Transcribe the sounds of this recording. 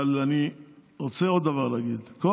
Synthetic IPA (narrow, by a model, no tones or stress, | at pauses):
laniʁot͡seo̞d̪ːavaʁlaːɡid̪ko